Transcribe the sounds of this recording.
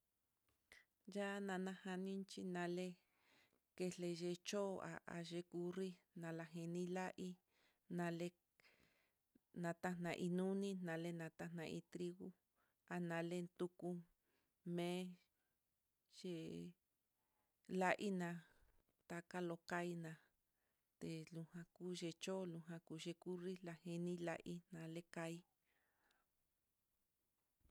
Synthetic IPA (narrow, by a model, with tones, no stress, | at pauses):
ja˦nã˧nã˧ha˧nĩ˦nt͡ʃi˧nã˧le˦ | ke˧le˧ʒe˧t͡ʃo˦˧a̰˧ʔa̰˨ʒe˧ku˧ri˦ | nã˧la˧ɦẽ˧nĩ˦la˦ʔi˦ | nã˧le˦ | nã˨˧t̪a˦n̥ã˧ʔi˧nũ˦nĩ˦nã˨˧le˦nã˨˧t̪a˦nã˧ʔi˧t̪ɾi˦ɣu˦ | a˨nã˨˧le˧nt̪u˧ku˧ | mẽ˦ | ʒ̥e˧ | la˦ʔi˦nã˧ | t̪a˧ka˦lo˧ka˦i˦nã˧ | t̪e˨lũ˧hã˧ku˦ʒe˧t͡ʃo˦lũ˧ɦã˧ku˨˧ʒe˧ku˦ri˦la˧he˧nĩ˦la̰˧ʔi˦nã˨le˦ka˧i˦